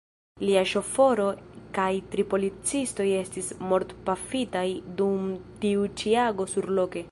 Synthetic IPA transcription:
liaʃo̞fo̞ɾo̞kajtɾipo̞lit͡sisto̞je̞stismo̞ɾtpafitajdumtiut͡ʃiaɡo̞suɾlo̞ke̞

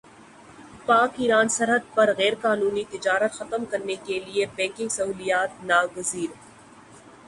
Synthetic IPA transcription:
paːkiːɾaːnsɐɾɦəd̪̚pɐɾɣɛːɾkaːnuːnit̪ɪd͡ʒaːɾət̪xɐt̪əmkɐɾnekeliebɛ̃ːkɪ̃ŋɡsɐɦuːlijaːt̪̚naːɡʊziːɾ

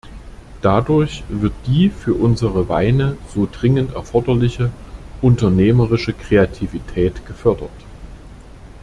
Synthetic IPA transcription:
d̥adʊɐçv̥ɪɐt̚d̥iːfyːɐʔʊnzəʁəva̰ɪnəz̥oːdʁɪŋəntɛ̰ɐfɔɐdɐlɪçəʔʊntɐneːməʁɪʃəkʁ̥eatʰivitʰɛːtɡ̥əfœɐdɐt

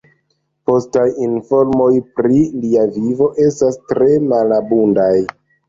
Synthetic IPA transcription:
po̞stajinfo̞ɾmo̞jpɾiliavivo̞ʔe̞stastɾe̞malabundaj

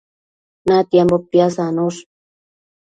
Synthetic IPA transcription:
nat̪jambopjasanos

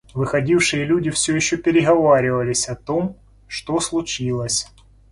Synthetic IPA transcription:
vɨxɐdʲifʂɨjəlʲudʲɪfsʲɵjɪɕːopʲɪɾʲɪɦɐvaɾʲɪvɐlʲɪsʲɐt̪om | ʂt̪oslˠʊt͡ɕilˠəsʲ

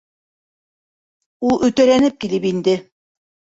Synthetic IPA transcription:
ulˠʔɵ̆t̪æɾænɘp̚kilɘpind̪ɘ

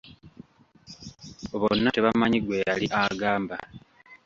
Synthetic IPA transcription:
oβonːate̞βamaɲiɡwe̞jaliʔaɡaːmba

